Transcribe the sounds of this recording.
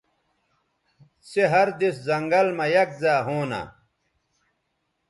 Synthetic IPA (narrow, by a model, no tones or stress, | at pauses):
seɦɐɾd̪iszɐŋɡɐlmɐjɐk̚zaːɦoːna̰